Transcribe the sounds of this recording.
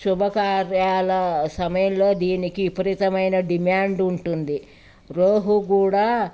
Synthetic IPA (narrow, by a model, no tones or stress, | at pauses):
ʃubʱɐkaːɾjaːlɐsɐmɐjɐmloːd̪iːnikiːpɐɾit̪ɐmɐjnɐɖimaːɳɖuɳʈund̪i | ɾoːɦuɡuːɽaː